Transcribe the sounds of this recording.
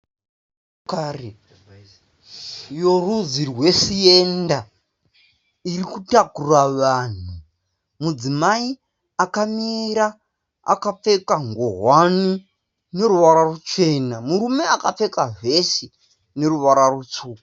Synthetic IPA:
kare | jo̞ruzirwe̞ʂije̞nda | irikutakuraʋaːn̤u | mud͡zimai | akamiɾa | a̰kap͡fe̞kaŋɡoɦwani | ne̞ɾuʋaɾarut͡ʃe̞namuɾume̞akap͡fe̞kaʐe̞ʃi | ne̞ɾuʋaɾarut͡ʂuː

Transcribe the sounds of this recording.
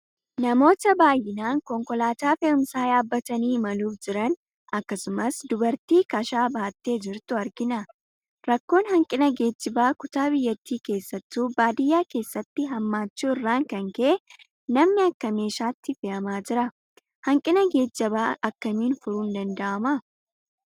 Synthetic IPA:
nɐmo̞ːt̪ɐbaːjːɪnaːŋkɔŋkɔlaːt̪aːfeʊmsaːjaːbːɐt̪ɐniːmɐluːfd͡ʒɪɾɐn | ɐkːɐsʊmɐsd̪ʊbɐɾt̪iːkɐʃaːbaːt̪ːe̞ːd͡ʒɪɾt̪ʊɐɾɡɪnɐ | ɾɐkːo̞ːnhɐŋkʼɪnɐɡe̞ːd͡ʒːɪbaːkʊt̪aːbɪjːɐt̪ːiːke̞ːsːɐt̪ːuːbaːd̪ɪjːaːke̞ːsːɐt̪ːɪɦɐmːaːt͡ʃːuːɪrːaːŋkɐŋkɛʔɛ | nɐmnɪɐkːɐme̞ːʃaːt̪ːɪfɪʔɐmaːd͡ʒɪɾɐ | hɐŋkʼɪnɐɡe̞ːd͡ʒːɐbaːʔɐkːɐniːnfʊɾuːnd̪ɐnd̪ɐʔɐmɐ

